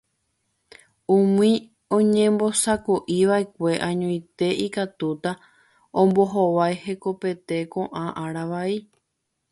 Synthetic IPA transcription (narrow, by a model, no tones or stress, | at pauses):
ũmĩ | õ̞ɲẽmbo̞sakoʔiʋaekʷe̞ʔãɲõjt̪e̞ʔikat̪ut̪a | õmbo̞ɦoʋajhe̞ko̞pe̞t̪e̞kõ̞ʔãʔãɾaʋai